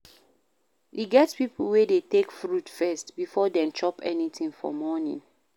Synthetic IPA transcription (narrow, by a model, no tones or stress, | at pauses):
iɡɛtspipʰl̩wedetekfɹutfɛstbifɔdɛ̃nt͡ʃɔpɛnitĩŋfɔ̰mɔnḭ̃n